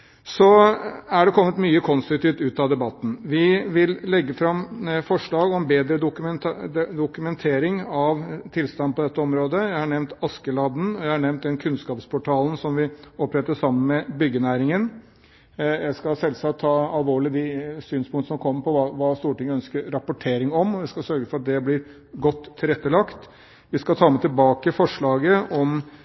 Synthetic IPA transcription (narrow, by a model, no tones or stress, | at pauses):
sɔæɖɛkʰɔmːət̪myːəkʰɔnst̪ɾʊkt̪ɪːʋt̪ʉːt̪ɑd̪ɛbɑt̪ːn̩ʋɪʋɪllɛɡːəfɾɑmːfɔʂɭɑːɡɔmbeːd̪ɾəd̪ʊknd̪ʊkʉmɛnt̪ʰeːɾɪŋɑʋt̪ʰɪlst̪ɑnd̪̚pʰɔd̪ɛt̪ːəɔmɾoːd̪əjæɪhɑɳɛʋnt̪ɑskəlɑːd̪n̩ɔjæɪhɑɳɛʋnt̪̚d̪ɛnkʰʉnskɑːpspʰɔʈʰɑːln̩sɔmʋɪɔpːɾɛt̪ːəʂɑmːənmɛbʏɡənæːɾɪŋən | jæɪskɑsɛlsɑt̪ʰːɑːɑlʋoːɭɪd̪ɪsyːnspʰʊŋt̪əsɔmkʰɔmːəɾpʰɔʋɑʋɑːst̪uːʈɪŋːəœnskəɾɾɑpʊʈʰeːɾɪŋɔmɔʋɪskɑsœɾɡəfɔɾɑt̪̚d̪ɛblɪɾ | ɡɔt̪ʰːɪlɾɛt̪ːəlɑkt̪ | ʋɪskɑt̪ʰɑːmɛt̪ɪlbɑːkəfɔʂɭɑːɡəʔɔm